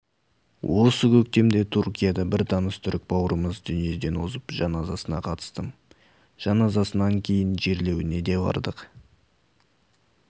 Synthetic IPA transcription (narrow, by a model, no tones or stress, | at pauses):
wʔo̞səkʲʰɵk̚t̪e̞md̪e̞t̪ʰurkʲijɑd̪ɑbɪɾt̪ʰɑnəst̪ʰʏɾɪk̚bɑwɾəməzd̪ʏnije̞d̪e̞nwo̞zəpʒɑnɑzɑsənɑqʰɑt̪ə̥st̪əm | ʒ̥ɑnɑzɑsənɑŋkʲʰe̞jɪnʒe̞ɾle̞wɪne̞d̪e̞bɑ̰ɾd̪əq